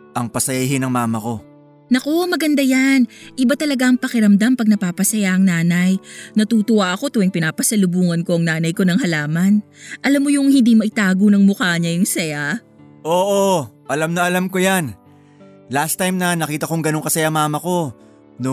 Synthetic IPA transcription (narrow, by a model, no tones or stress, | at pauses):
ʔɐŋpɐsɐjaɦɪnɐŋmaːmɐko̞ | nɐko̞mɐɡɐnd̪ajanʔɪbat̪ɐlɐɡaʔɐŋpɐkɪɾɐmd̪ampɐɡ̚nɐpaːpɐsɐjaʔɐŋnaːnɐjnɐt̪uːt̪ʊwaʔɐko̞t̪uɪŋpɪnaːpɐsɐlʊbuːŋɐnko̞ʔɐŋnaːnɐjko̞nɐŋɦɐlaːmɐn | ʔɐlamːojʊŋhɪnd̪imɐʔɪt̪aːɡonɐŋmʊkaːɲɐjʊŋsɐja | ʔoːʔoʔɐlamnɐʔɐlamko̞jan | last̪ajmnɐnɐkiːt̪ɐkoŋɡɐno̞ŋkɐsɐjamaːmɐko̞ | no